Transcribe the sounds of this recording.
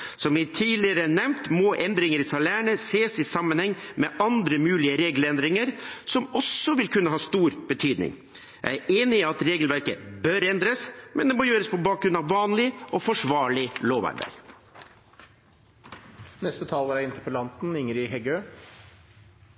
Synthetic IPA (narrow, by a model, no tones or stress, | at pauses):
sɔmʋɪt̪ʰiːlɪəɾəæɳɛmnt̪moːʔɛnd̪ɾɪŋəɾɪsɑlæːɳəseːsɪsɑmːənhɛŋːmɛʔɑnd̪ɾəmʉːlɪəɾeːɡlɛnd̪ɾɪŋəɾsɔmɔsɔʋɪlkʰʉnːəɦɑːst̪uːɾb̥ət̪ʰyːd̪nɪ̰ŋ | jæ̰ɪæɾʔeːnɪːɑt̪ɾeːɡəlʋæɾkə̰bœɾɛnd̪ɾəsmʔɛnd̪ɛmɔjøːɾəspʰɔbɑːk̚ɾʉnɑʋːɑːnlɪʔɔfɔʂʋɑːɭɪloːʋæ̰ɾbæ̰ɾ | nɛst̪ət̪ʰɑːlʋæɾæɪnt̪ʰəpɔlɑnt̪n̩ɪŋəɾɪɦɛɡøː